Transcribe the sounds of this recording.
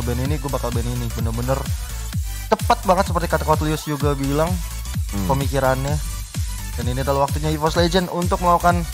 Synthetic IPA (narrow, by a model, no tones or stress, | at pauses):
bɛniniɡuabakalbɛninibənərbənər | t̪əpat̪̚baŋət̪səpərt̪ikat̪akawat̪liʊsd͡ʒuɡabilaŋ | pəmikiɾanɲa | daniniadalahwak̚t̪uɲaifɔsled͡ʒənunt̪ʊk̚məlaukan